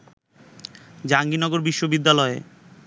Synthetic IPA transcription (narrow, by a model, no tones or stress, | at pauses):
d͡ʑaŋɡinɔɡoɾbiʃːobid̪ːalɔe